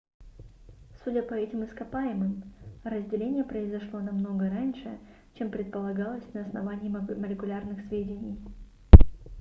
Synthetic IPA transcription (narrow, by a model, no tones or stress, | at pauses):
sudʲəpɐɛtʲɪmɨskɐpajɪmɨmɾəzʲdʲɪlʲenʲɪjəpɾəɪzɐʂlˠo̞nɐmno̞ɡəɾanʲʂɨ | t͡ɕe̞mpɾʲɪt̪̚pəlˠɐɡɑlˠəsʲnəɐsnɐvanʲɪːməlʲɪkʊlʲarnɨxsvʲedʲɪnʲɪj